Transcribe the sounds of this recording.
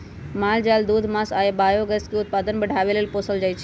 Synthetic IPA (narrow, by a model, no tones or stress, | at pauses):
maːld͡ʒaːld̪uːd̪ʱmasaːebaːjoɡəskiʊt̪̚paːd̪ənbəɽʱaːʋelelpoːsəld͡ʒaːjt͡ʃʰ